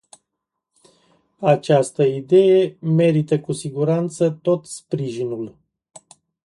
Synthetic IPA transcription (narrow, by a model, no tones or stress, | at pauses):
at͡ʃast̪əid̪e̞je̞me̞ɾit̪əkusiɡuɾant̪sət̪o̞t̪spɾiʒinul